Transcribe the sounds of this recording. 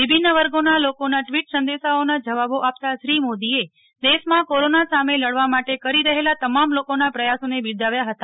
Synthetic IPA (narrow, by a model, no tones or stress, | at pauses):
ʋibʱinəʋəɾɡonalokonaʈʋiʈsənd̪eʃaonad͡ʒəʋaboʔap̚t̪aʃɾimod̪ie | d̪eʃmãkoɾonasameləɽʋamaʈekəɾiɾəɦelat̪əmamlokonapɾəjasonebid̪ʱaʋjaɦət̪a